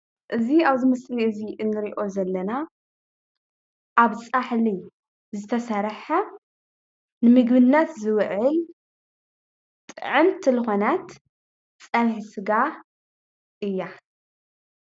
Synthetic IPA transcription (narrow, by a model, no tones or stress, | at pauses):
ʔɨziaβzɨmɐsliʔɨziʔɨnːɨɾiʔo̞zɐlːɐna | ʔaβt͡sʼaħli | zɨt̪ʰɐsɐɾħa | nɨmɨɡbɨnːat̪zɨwʕʕɨl | t̪ʼɨ̰ʕɨnt̪ʰilɨxonat̪ | t͡sʼɐlħisɨɡa | ʔɨjːa